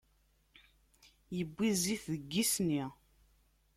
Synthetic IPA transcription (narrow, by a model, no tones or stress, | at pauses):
jəbːiziθðəɡːisni